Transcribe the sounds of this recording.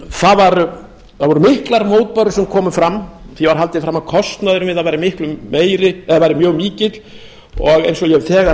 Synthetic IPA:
θavaɾ | θaðvɔɾʏmɪhklaɾmoːwt̪̚paɾʏsɛmkʰɔːmʏfɾamθivaɾɦalt̪ɪfɾamːakʰɔst̪naðʏɾʏmvɪðaðvajɾɪmɪhklʏmːeːjɾɪɛðavajɾɪmjœːɣmiːcɪt̪l̥ | ɔɣejnsɔjɛvθɛːɣa

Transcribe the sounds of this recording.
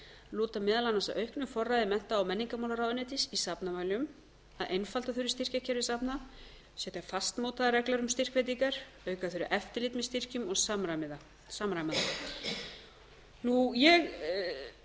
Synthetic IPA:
luːt̪amɛːðalanːasaʔœɥhknʏfɔrːajðɪmɛn̥t̪aawmɛnːiŋkamawlaɾawðnɛt̪isisapnamaːjlʏm | aðejnfalt̪aθʏɾʏ̥st̪ir̥cacʰɛɾɪsapna | sɛt̪afast̪mowt̪aðɾɛklaɾʏmst̪ir̥kvɛt̪̬iŋkaɾ̥ | œɥkaθʏɾʏ̰ɾʔɛft̪ɪlit̪mɛɪst̪ir̥cʏmɔɣsamɾamɪða | samɾajmaða | nujɛɣ

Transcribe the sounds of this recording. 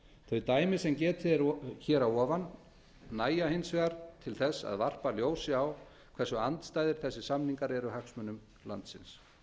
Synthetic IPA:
θœɥt̪aːjmɪsɛmcɛːt̪ɪɾçɛːɾawɔːvanː | aːjahejnsvɛɣaɾ̥t̪ʰɪlθɛsːa̰ðvar̥paljoːwsɪaw | kʰvɛrsʏant̪st̪aːjðɪɾ̥θɛsːɪsamniŋkaɾɛɾʏhaksmʏnʏm | la̰nt̪sɪns

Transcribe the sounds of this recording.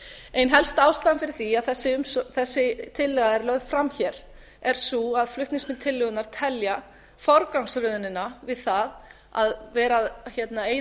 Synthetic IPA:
ejnɦɛlst̪aːwst̪anfɪɾɪɾ̥θiaðθɛsːɪʏmsθɛsːɪt̪ʰɪlːɛɣaðɛɾlœðð̥fɾamçɛɾ | ɛɾ̥suaðflʏht̪niŋsmɪnt̪ʰɪlːʏɣʏnaɾ̥t̪ʰɛlja | fɔɾkawŋsɾʏðnɪnːavɪðθað | a̰ðvɛːɾaðçɛt̪naeːj

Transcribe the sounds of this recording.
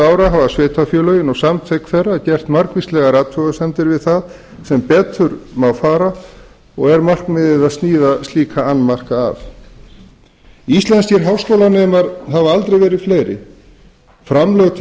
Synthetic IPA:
aːwɾaɦavasvɛːt̪afjœːlœːɥjɪnɔɣsamt̪ʰvejkfɛrːacɛr̥t̪mar̥kvist̪lɛɣaɾaːt̪ʰfœɣasɛmt̪ɪɾvɪðθað | sɛmpɛːt̪ːʏɾmawfaːɾa | ɔɣɛɾmar̥kmɪðɪðaðst̪niːðast̪liːkʰaanːmar̥ka̰ːf | ist̪lɛnsɛɾɦawskowlanɛːmaɾhavaalt̪ɾejvɛːɾɪðfleːjɾɪ̰ | fɾamlœɣt̪ʰ

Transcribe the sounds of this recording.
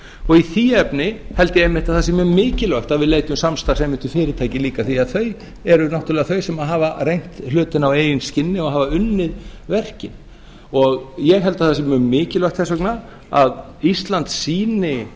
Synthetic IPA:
ɔɣiθiːɛpnɪhɛlt̪ɪɛmːɪht̪aðθasɛmːmɪːcɪlœɥht̪aðvɪðleːjt̪ʏmsamst̪ḁsɛmɪnt̪ʏfɪːɾɪt̪ʰaːjcɪliːkaθiaðθœɥ | ɛɾʏnawht̪ʏɾlɛːɣaθœɥsɛmaðɦaːvarejn̥t̪hlʏːt̪ɪnaweːjɪnscɪnːɪɔɦaːvaʏnːɪðvɛr̥cɪn | ɔɣjɛɣɦɛlt̪aðθas̬ɛmʏmɪːcɪlœjht̪θɛsœkna | a̰ð | ist̪lant̪siːnɪ

